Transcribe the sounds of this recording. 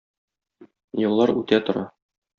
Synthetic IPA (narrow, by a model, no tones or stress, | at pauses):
jŏlˠːɑɾʉt̪æt̪ŏɾɑ